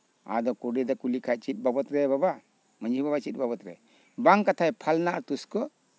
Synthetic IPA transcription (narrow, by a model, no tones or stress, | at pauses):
a̰d̪ɔkuɖid̪akulikʰat̪̚t͡ʃit̪̚babɔt̪ɾɛbaba | məɲibabat͡ʃit̪̚ˀbabɔt̪ɾɛ̰ | baŋkat̪ʰajpʰalnaʔɾt̪uskɔ